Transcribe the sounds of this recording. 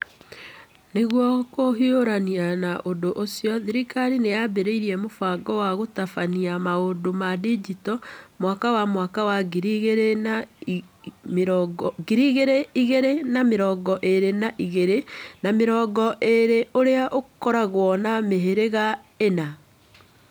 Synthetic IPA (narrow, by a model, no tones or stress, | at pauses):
neɣwɔkoɦioɾanianaʔondoʔosiɔðiɾikaɾinejabeɾeiɾiɛmofaɡɔwaɣotafaniamaodomadid͡ʒitɔmwaːkawamwaːkawaɡiɾiɣeɾena | mɾɡɡiɾiɣeɾeiɣeɾenameɾɔːɡɔʔeɾenaʔiɣeɾenameɾɔːɡɔʔeɾeʔoɾeaʔokɔɾaɣwɔnameɦeɾeɣa | ena